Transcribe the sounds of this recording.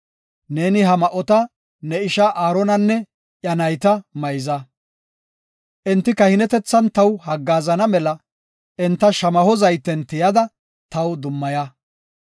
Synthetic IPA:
ne̞ːnɪɦɐmɐʔɔt̪ɐ | nɛɪʃɐʔaːɾɔnɐnːɛ | ʔjɐnɐjt̪ɐmɐjzɐ | ʔɛnt̪ːɪkɐhɪnɛt̪ɛt͡sːɐnt̪ɐwhɐɡːaːzɐnɐmɛlɐ | ɪnt̪ːɐʃɐmɐhɔzɐjt̪ːɛnt̪ɪjɐd̪ɐ | t̪ɐwd̪ʊmːɐjɐ

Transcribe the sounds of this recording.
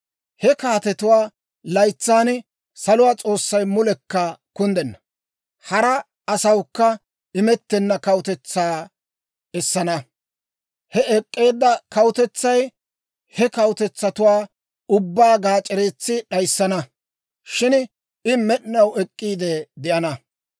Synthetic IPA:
hɛkaːt̪ɛt̪ʊwaː | lɐjt͡sːaːn | sɐlʊwaːt͡sʼo̞ːsːɐjmʊlɛkːɐkʊnd̪ɛnːɐ | hɐɾɐ | ɐsɐwkːɐ | ɪmɛt̪ːɛnːɐkɐwʊt̪ɛt͡sːaː | ɛsːɐnɐ | hɛɛkʼːe̞ːd̪ːɐkɐwʊt̪ɛt͡sːɐj | hɛkɐwʊt̪ɛt͡sːɐt̪ʊwaː | ʊbːaːɡaːt͡ʃʼːɛɾeːt͡sːɪɗɐjsːɐnɐ | ʃɪn | ɪmɛɗɪnɐwɛkʼːiːd̪ɛd̪ɪʔɐnɐ

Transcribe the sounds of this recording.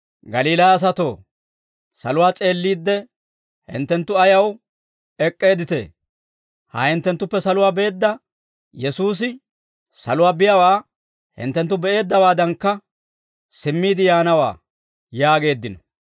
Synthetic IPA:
ɡɐliːlaɐs̬ɐt̪o̞ː | sɐ̰lʊwaːt͡sʼe̞ːlːiːd̪ːɛ | hɪ̰nt̪ːɛnt̪ːʊɐjɐw | ɛkʼːe̞ːd̪ɪt̪ḛː | hɐ̰hɪnt̪ːɛnt̪ːʊpːɛsɐlʊwaːbe̞ːd̪ːɐ | jɛsuːs̬ɪ | sɐlʊwaːbɪjɐwaː | hɪ̰nt̪ːɛnt̪ːʊbɛʔe̞ːd̪ːɐwaːd̪ɐŋkːɐ | sɪmːiːd̪ɪjaːnɐwa̰ː | jaːɡe̞ːd̪ːɪnɔ̥

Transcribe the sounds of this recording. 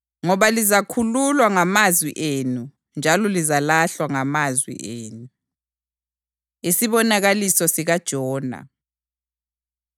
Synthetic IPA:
ŋɔβalizakʰululwaŋamazwḭʔeːnu | nd͡ʒʱalɔlizalaɬwaŋamazwḭʔeːnu | isiβɔnaɣalisɔsiɣad̥ʒ̥ʱɔːna̰

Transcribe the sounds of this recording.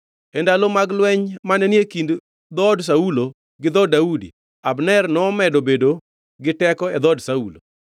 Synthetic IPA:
ɛndalomaɡlwɛɲmanɛnijekind | d̪ɔds̬aulo | ɡɪd̪ɔdaudḭ | abnɛrnɔːmɛdobedo | ɡɪtɛkɔɛd̪ɔdsaulo̰

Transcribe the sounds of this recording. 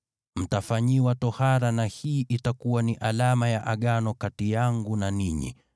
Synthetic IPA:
m̩tafaɲiwatɔhaɾanahiːʔitakuwaniʔalamajaʔaɠanɔkatijaŋɡunaniɲḭ

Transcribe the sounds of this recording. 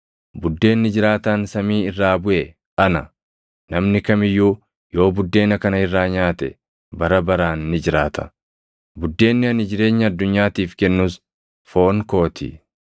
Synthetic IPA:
bʊd̪ːe̞ːnːɪd͡ʒɪɾaːt̪aːnsɐmiːɪrːaːbʊʔɛ | ʔɐnɐ | nɐmnɪkɐmɪjːuː | jo̞ːbʊd̪ːe̞ːnɐkɐnɐɪrːaːɲaːt̪ɛ̰ | bɐɾɐbɐɾaːnːɪd͡ʒɪɾaːt̪ɐ̥ | bʊd̪ːe̞ːnːɪɐnɪd͡ʒɪɾe̞ːɲːɐɐd̪ːʊɲːaːt̪iːfkɛnːuːs | fo̞ːŋko̞ːt̪ʰɪ̰

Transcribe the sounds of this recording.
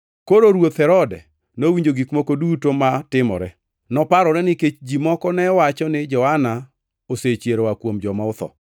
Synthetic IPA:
koɾoɾwot̪hɛɾɔdɛ̰ | nowiɲd͡ʒoɡikmokodutomatɪmɔ̰ɾɛ | nɔpaɾɔɾɛnɪket͡ʃd͡ʒimɔkɔnɛwat͡ʃɔnɪd͡ʒɔhana | oset͡ʃjeɾowakwomd͡ʒɔmaʊt̪ɔ̰

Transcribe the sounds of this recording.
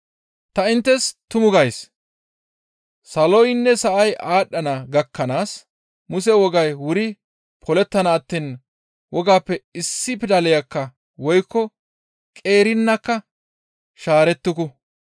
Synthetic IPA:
t̪ɐɪnt̪ːɛst̪ʊmʊɡɐjs | sɐlɔjnːɛsɐʔɐjʔaːɗːɐnɐɡɐkʰːɐnaːs | mʊsɛwɔɡɐjwʊɾɪ | pʰɔlɛt̪ːɐnɐːt̪ːiːn | wʔɔɡaːpːɛɪsːɪpɪd̪ɐlɛjɐkːɐ | wɔjkːɔ | kʼe̞ːɾɪnːɐkːɐ | ʃaːɾɛt̪ːʊkʊ

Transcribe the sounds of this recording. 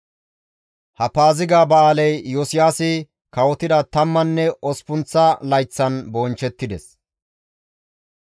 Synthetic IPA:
hɐpaːzɪɡaːbɐaːlɛjːɔsɪjaːsɪ | kɐwɔt̪ɪd̪ɐt̪ɐmːɐnːɛʔɔspʊnt͡sːɐlɐjt͡sːɐnbɔːnt͡ʃɛt̪ːɪd̪ɛs

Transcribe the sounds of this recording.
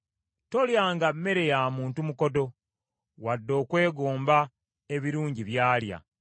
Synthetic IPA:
to̞ljaːŋɡamːe̞ɾe̞jaːmuːntumuko̞do̞ | wadːo̞ːkwe̞ːɡoːmba | e̞βiɾuːɲɟiβjaːlja̰

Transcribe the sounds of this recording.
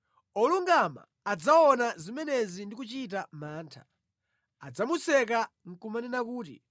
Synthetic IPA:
ɔluŋɡama̰ːd͡zaɔnazimɛnɛzindik̬ut͡ʃit̬amaːntʰḁ | ad͡zamusɛk̬a | ŋ̩kumanɛnakuːt̬ḭ

